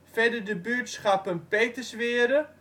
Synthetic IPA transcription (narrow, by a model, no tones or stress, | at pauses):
fɛdərdəbyətsχapənpeːtəsʋɪəɾə